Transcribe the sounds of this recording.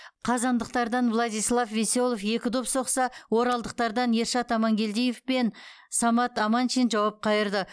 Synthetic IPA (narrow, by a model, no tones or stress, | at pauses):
qʰɑzɑnd̪əq̚t̪ɑɾd̪ɑnvlˠɑd̪ijslˠɑfve̞so̞lˠofje̞kʲɪd̪opso̞qsɑwo̞ɾɑlˠd̪əq̚t̪ɑɾd̪ɑnje̞ɾʃɑt̪ɑmɑŋɡʲe̞ld̪ejefpe̞n | sɑmɑt̪ɑmɑnʃinʒɑwɑp̚qʰɑjəɾd̪ə